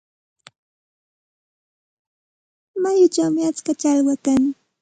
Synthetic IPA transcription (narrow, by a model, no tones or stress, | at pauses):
majʊt͡ʃawmɪat͡skat͡ʃalwakaŋ